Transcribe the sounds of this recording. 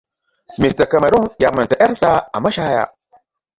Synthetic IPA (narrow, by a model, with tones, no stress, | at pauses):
mi˨sta˨ka˨ma˨ɾu˦ŋja˨mə˨ta˨ʔa˦ɾsa˦a̰˨ma˦ʃa˦ja̰˨